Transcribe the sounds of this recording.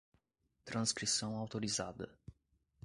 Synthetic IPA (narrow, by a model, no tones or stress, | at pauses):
t̪ɾanskɾisonawt̪oɾizad̪ə